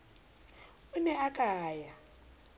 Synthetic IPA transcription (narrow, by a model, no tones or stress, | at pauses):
unɛakʼaːja